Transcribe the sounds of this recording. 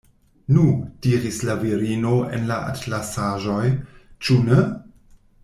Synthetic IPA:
nud̥iɾislaviɾino̞ḛnlaʔa̰tlasaʒo̞jt͡ʃune

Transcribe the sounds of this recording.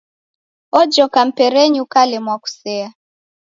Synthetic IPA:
ɔd͡ʒɔkam̩pɛɾɛɲukalɛmwaku̥sɛa

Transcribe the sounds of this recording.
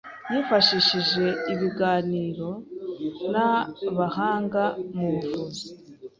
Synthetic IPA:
jiːfaʃiʃiʒe̞iβiɡaːniːɾo̞ | naβahaːŋɡamuβuvuzi̥

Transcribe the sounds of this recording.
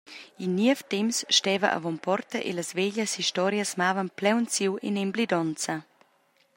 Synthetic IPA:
inːiəft̪ɛmsʃtɛːvɐʔa̰vɔmpɔrt̪ɐʔḛlɐsveʎəshiʃtɔɾjasmaːvɐnplɛwnt͡siwinemblid̪ɔnt͡sɐ

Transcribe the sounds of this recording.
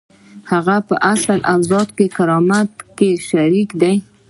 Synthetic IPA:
haɣapəʔasalʔawzɑt̪kekaɾɑmat̪keʃaɾikd̪aj

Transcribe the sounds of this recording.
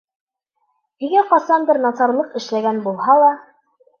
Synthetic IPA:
hiɡæqɑsɑnb̪ɘɾnɑsɑɾlˠɤqɘ̆ʃlæɡænbulˠhɑlˠɑ

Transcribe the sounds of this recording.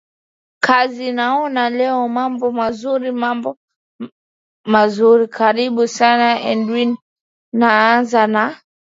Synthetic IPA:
kʰazinaɔnalɛɔmambɔmazuɾimambɔ | mazuɾikʰaɾiɓusanaɛ̰ndwin | naanzana

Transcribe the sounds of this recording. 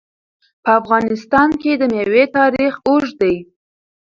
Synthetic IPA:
pəafɣɑnɪst̪ɑnked̪əmewet̪ɑɾixoʒd̪əj

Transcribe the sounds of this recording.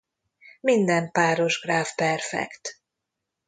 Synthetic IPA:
mind̪ɛmpaːɾo̞ʒɡraːfpɛrfɛ̰kt̪

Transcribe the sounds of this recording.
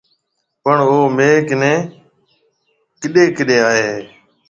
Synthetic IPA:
pəɳoːmeːknɛ̃ː | kɪɗeːkɪɗeːaːɦeː

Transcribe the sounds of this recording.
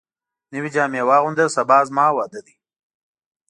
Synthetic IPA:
niwid͡ʒaːmewɑːɣʊnd̪əsɐbaːzmɑːwaːd̪ad̪i

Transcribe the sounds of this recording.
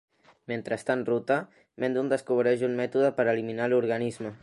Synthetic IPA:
ment̪ɾəst̪anrut̪ə | mend̪und̪əskuβɾɛʒunmɛt̪uðəpəɾəliminaluɾɣənizmə

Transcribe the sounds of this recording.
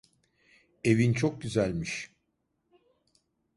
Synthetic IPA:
e̞vint͡ʃʰok̚ɟyzælʲmiʃ

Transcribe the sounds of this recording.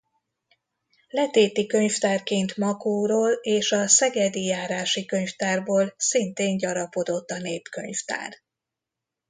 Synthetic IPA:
lɛt̪eːt̪ikø̞ɲft̪aːrkeːnt̪mɒkoːɾoːleːʃɒsɛɡɛd̪ijaːɾaːʃikø̞ɲft̪aːrboːlsint̪eːnɟɒɾɒpo̞d̪o̞t̪ːɒneːpkø̞̰ɲft̪a̰ːr

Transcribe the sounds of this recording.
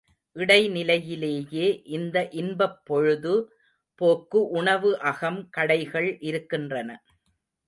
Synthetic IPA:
ʔɪɽɐɪnɪlɐjɪleːjeːʔɪnd̪ɐʔɪnbɐpːɔɻɯðɯ | poːkːɯʔʊɳɐʋɯʔɐɣɐmkɐɽɐɪɣɐɭʔɪɾɯkːɪndrɐnɐ

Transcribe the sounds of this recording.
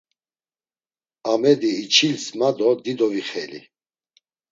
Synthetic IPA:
amɛd̪iːt͡ʃʰilsmad̪ɔd̪id̪ɔviχɛlḭ

